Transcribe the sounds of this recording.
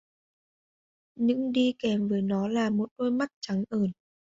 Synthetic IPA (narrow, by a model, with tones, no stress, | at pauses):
ɲɨ̰˧˥ŋɗi˧kɛ˨˦mvəː˨˦jnɔ˨˦laː˨˩mo˨˩t̚ɗo˧jma˦˥k̚t͡ɕa˨˦ŋʔəː˧˩n